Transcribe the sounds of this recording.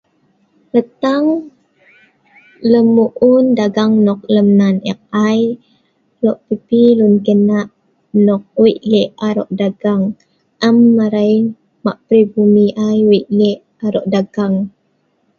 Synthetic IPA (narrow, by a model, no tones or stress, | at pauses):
ɾət̪aŋ | ləmuʔundaɡaŋnɔk̚ləmnanɛ̰k̚aj | lɔʔpipilunkənaʔ | nɔk̚wiʔlɛʔaɾɔ̰ʔdaɡaŋ | ʔəmːaɾajn | maʔpɾibumiʔajwiʔlɛʔ | aɾɔʔdaɡ̥aŋ